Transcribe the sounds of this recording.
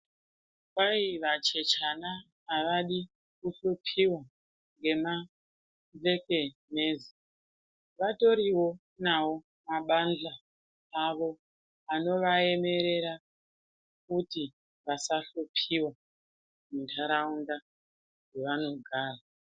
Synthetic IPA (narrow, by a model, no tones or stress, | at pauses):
kaiʋat͡ʃe̞t͡ʃanaː | ʋaɗi | kuɬopʰiwa | ŋɡe̞ma | ve̞ke̞me̞ːzi | ʋato̞ɾiwo̞ | nawo̞ | maɓand͡ɮaː | ʋo̞ | ano̞ʋae̞me̞ɾe̞ɾa | kuti | ʋasaɬopʰiwa | muntʰaɾaunda | wɡeʋano̞ɡʱaːra